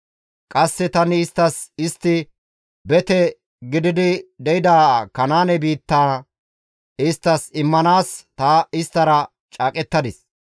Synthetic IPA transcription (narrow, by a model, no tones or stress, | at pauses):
kʼɐsːɛt̪ɐnɪɪst̪ːɐsɪst̪ːɪ | bɛt̪ɛ | ɡɪd̪ɪd̪ɪd̪ɛjɪd̪aːkɐnaːnɛbiːt̪ːaː | ɪst̪ːɐsɪmːɐnaːst̪ɐɪst̪ːɐɾɐ | t͡ʃʼaːkʼɛt̪ːɐd̪ɪs